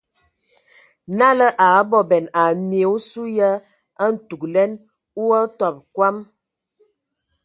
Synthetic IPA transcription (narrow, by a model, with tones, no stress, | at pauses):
na˦lə˦ʔa˨˦bɔ˨bɛ˨na˨me˨˦u˦su˦jə˦ | a˦n̩˨tu˨klɛ˦n | u˦ə˦tɔ˨p̚kwa˦m